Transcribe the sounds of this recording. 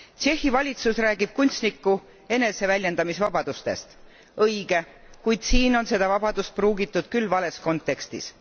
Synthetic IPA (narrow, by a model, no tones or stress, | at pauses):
t͡ʃe̞hːivɑlʲit̪susræːɡ̥ib̥̚kunʲt̪st̪nikːu | e̞ne̞se̞vælʲje̞nd̪̥ɑmisvɑbɑd̪̥ust̪e̞̰st̪ | ɤjɡ̥e̞ | kujd̪̥siːno̞nse̞d̪̥ɑvɑb̥ɑd̪̥ust̪̚pruːɡit̪ːˑud̪̥kylːvɑle̞sko̞nt̪ːˑe̞kst̪ḭs